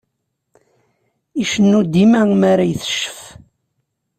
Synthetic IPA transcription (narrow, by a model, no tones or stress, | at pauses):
iʃənːud̪imæmaɾajθə̥ʃːə̥f